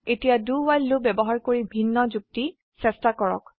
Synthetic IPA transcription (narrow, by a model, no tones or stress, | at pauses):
etijaduwajlːobɛbɔɦaɹkoɹibʱinːɔzuk̚ti | sɛstakɔɹɔ̰k